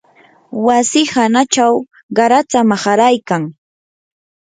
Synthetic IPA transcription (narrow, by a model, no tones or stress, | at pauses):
wasɪhanat͡ʃaw | ɢɑɾat̪amaχaɾajkaŋ